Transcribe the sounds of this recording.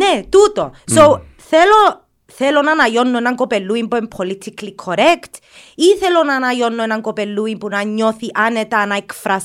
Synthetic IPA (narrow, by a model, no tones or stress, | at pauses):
net̪ut̪o̰sow | θelo | θelonanajonːoenaŋkopelːuimpuempʰolit̪ʰiklikʰoɾekt̪ | iθelonanajonːoenaŋkopelːuimpunaɲːoθiʔanet̪anaekfɾas